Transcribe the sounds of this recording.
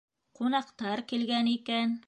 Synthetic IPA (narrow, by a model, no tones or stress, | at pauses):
qunɑqt̪ɑɾkilɡænikæn